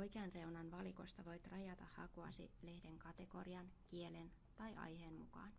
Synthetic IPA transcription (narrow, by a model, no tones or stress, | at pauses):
ojkeɑnre̞unɑnʋɑliko̞̰st̪ɑʋo̞it̪rɑjɑt̪ɑhhɑ̰koɑ̰sḭle̞hdeŋkɑt̪eko̞̰riɑnk̟ielen | t̪ɑjʔɑ̰jheːnmukɑ̰ːn